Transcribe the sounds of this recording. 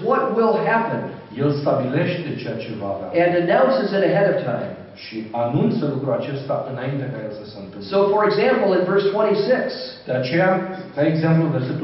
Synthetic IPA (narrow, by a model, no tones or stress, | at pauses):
wʌt̚wɪlˠɦæpə̃n | je̞lst̪abile̞ʃt̪̚ʲd̪et͡ʃejat͡ʃe̞va̰ːva̰ɨ̃nɨnaʊsɨzɨ̃ɾɨɦɛɾʌv̥tʰãɪ̃m | ʃianunt̪səlukɾuat͡ʃe̞st̪aʔɨnaint̪ekajelsəsent̪ɨsoʊfə˞ɨɡzæ̃mpl̩ˠə̃nvɜ˞stʰw̥ɛ̃ɾ̃isɪksd̪̥eat͡ʃejakaeɡzemplud̪esep̚t̪